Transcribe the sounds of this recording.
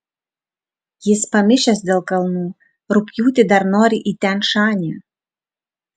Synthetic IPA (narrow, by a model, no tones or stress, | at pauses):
jɪspamʲɪʃʲɛsd̪ʲelˠkʼɐlˠnuː | rʊpʲjuːt̪ʲɪdarnoːɾʲiʔitʲænʂaːnʲy